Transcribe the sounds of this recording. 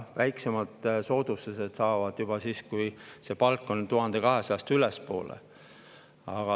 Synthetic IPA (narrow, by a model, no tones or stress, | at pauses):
væjksemɑd̪̥so̞ːd̪̥ust̪ese̞d̪̥sɑːvɑd̪̥jub̥ɑsiːskujse̞pɑlkːont̪uɦɑnd̪̥e̞kɑɦe̞sɑjɑst̪ylespo̞̰ːlḛ | ɑɡ̥ɑ